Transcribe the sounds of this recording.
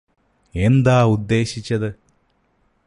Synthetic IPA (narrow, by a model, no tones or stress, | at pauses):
e̞nd̪aːud̪ːe̞ːɕit͡ɕːɐðɨ